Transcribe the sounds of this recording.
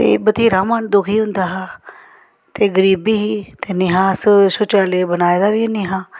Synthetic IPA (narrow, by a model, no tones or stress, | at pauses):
t̪ḛːbət̪ʰiːɾaːmaːnd̪ʊkʰɦiːɦʊ̃nd̪aːɦaː | t̪eːɡəɾiːbiːɦiːt̪eːnɪɦãːssʊt͡ʃaːleːbənaːed̪aːʋiːniɦãː